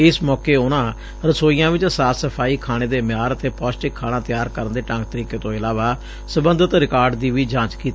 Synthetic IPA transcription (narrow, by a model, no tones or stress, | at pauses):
ɪsmɔːkeːʊnãː | ɾəsoːiːjãːʋɪt͡ʃsaːsəpʰaːiːkʰaːɽ̃eːd̪eːmɪjaːɾət̪eːpɔːsʈɪkʰːaːɽ̃ãːt̪ɪjaːɾkəɾənd̪eːʈãŋk̚t̪əɾiːkeːt̪õːɪlaːʋaː | səbənd̪ət̪ɾɪkaːɾɖd̪iːʋiːd͡ʒãːt͡ʃkiːt̪ː